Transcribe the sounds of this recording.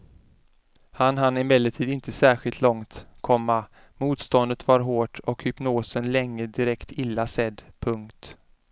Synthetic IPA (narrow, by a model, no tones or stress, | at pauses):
hanɦanːɪmɛlːəʈʰiːd̪ɪnt̪ʰəsæːɾɧɪlt̪ʰlɔŋt̪kʰɔmːa | muːt̪st̪ɔnd̪ət̪vaɾɦoːʈɔkhʏpnoːsənlɛŋːəd̪ɪɾɛkt̪ʰɪlːasɛd̪ːpʰɵŋkt̪